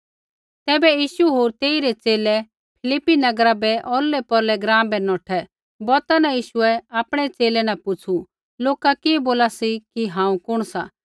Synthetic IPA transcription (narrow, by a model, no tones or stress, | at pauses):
t̪ɛːbɛjiːʃuɦoːɾt̪eːiɾɛt͡seːlɛ | pʰɪlɪpːinɐɡɾabɛʔɔːɾlːɛpɔɾlɛɡɾãːmbɛnɔːʈʰɛ | bɔɾt̪anajiːʃʊɛaːpɽ̃ɛt͡seːlɛnapʊt͡sʰu | loːkakiboːlasikiɦãːũkʊɽ̃sa